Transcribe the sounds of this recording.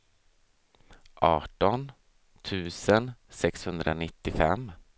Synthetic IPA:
ʔɑːʈɔn | t̪ʰʉ̟ːsənsɛkshɵnd̪ɾʔanɪt̪ːɪfɛmː

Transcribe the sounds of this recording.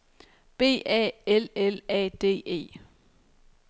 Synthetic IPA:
b̥e̝̰ːʔɛ̰ːelelɛ̰ːd̥e̝̰ːe̝̰ː

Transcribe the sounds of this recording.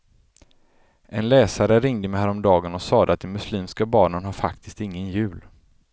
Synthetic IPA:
ʔɛnlɛːsaɾəɾɪŋd̪əmɛhæːɾɔmd̪ɑːɡənɔsɑːd̪əat̪̚d̪ɛmɵsliːmskabɑːɳənɦaɾfakt̪ʰɪ̥st̪ɪŋːənjʉ̟ːl

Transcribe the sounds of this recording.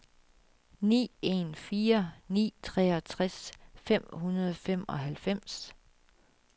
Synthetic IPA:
nḭːe̝nfiːɐnḭːt͡sʰʁɛ̰ːɒ̽t͡sʰʁasfem̰hunɐð̞ˠfem̰ɒ̽ɦælfem̰s

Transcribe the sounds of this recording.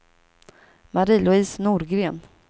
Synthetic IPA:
maɾiːlʊiːsnuːɾɡɾeːn

